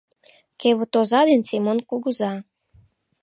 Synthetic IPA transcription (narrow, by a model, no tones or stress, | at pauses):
keβət̪ozɑd̪ensimonkuɣuzɑ